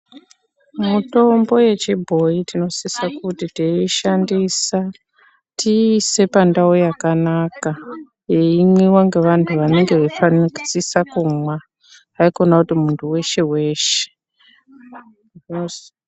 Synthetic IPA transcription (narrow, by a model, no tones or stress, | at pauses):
muto̞mbo̞je̞t͡ʃibʱo̞itino̞sisakutiteiʃandisa | tiːse̞pandawojakanaka | jeimwiwaŋɡe̞ʋantʰuʋane̞ŋɡe̞ʋefaniki̥sisakumwa | aiko̞nakutimuntʰuwe̞ʃe̞we̞ːʃe̥ | o